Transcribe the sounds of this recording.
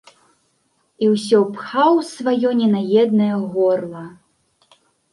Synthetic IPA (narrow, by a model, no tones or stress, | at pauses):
iwsʲɔpxawsvajɔnʲɛnajɛd̪nɐjɐɣɔrlˠɐ